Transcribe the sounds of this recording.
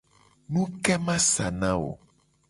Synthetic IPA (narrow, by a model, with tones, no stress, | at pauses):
nũ˦kɛ˦mã˦sa˨nã˦wo̰˨